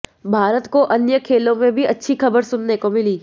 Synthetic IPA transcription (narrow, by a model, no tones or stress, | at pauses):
bʱaːɾət̪koʔɐnjəkʰeːlõmẽbʱiɐtːʃʰixɐbəɾsʊnːekomɪliː